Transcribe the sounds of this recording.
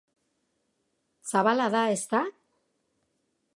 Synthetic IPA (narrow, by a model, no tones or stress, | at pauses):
saβalaðae̞st̪a